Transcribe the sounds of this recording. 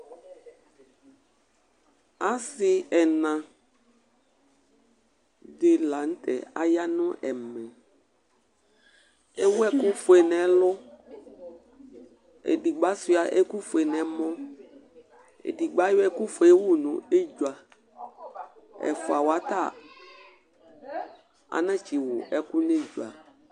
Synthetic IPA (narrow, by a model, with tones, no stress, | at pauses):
a˦sɪ˦ɛ˨nã˨ | de˨la˨ŋ̩˦t̪ɛ̰˨a̰˨ja˦nʊ̃˦ʔɛ˨mɛ̃˨ | e˦wɛ˦ku˦fo˨ɛ˨nɛ̃˨lʊ˦ | ḛ˨di˨ɡ͡ba˦su˦a˨ʔe˦ku˦fo˨e˨nɛ̃˨˦mɔ̃˦ | ḛ˨di˨ɡ͡ba˦jo˦ɛ˦ku˦fo˨e˦wu˦nṵ̃˨e˦d͡ʒu˨a˨ | ɛ̰˨fo˨a˨wa˨t̪a˦˨ | a̰˨nã˦t͡ʃi˨wʊ˨ʔɛ˦ku˦ne˦d͡ʒu˨a˨